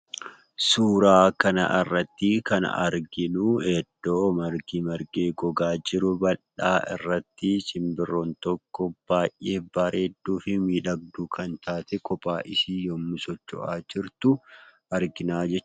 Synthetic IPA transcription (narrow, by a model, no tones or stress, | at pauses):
suːɾaːkɐnɐ̰ʔɪrːɐt̪ːɪkɐnɐ̰ʔɐ̰ɾɡɪnuɛd̪̥ːoːmɐɾɡiːmɐɾɡeːɡɔɡaːd͡ʒɪɾʊbɐᶑa̰ːʔɪ̰rːɐt̪ːɪt͡ʃʼɪmbɪrːoːnt̪ɔkːɔb̥aːjʔe̞ːbɐːɾʔeːd̪ːuːfɪmiːᶑɐɡ̚d̪ukʰɐnt̪ʰaːt̪ɛkɔpʼaːʔɪsiːjɔmːʊsɔt͡ʃːɔ̰ʔaːd͡ʒɪɾt̪ʊ | ɐɾɡɪnaːd͡ʒɛt͡ʃː